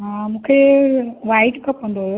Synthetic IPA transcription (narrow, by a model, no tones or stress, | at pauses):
ɦãmũːkʰeʋaːɪʈkɐpːɐ̃nd̪oɦjo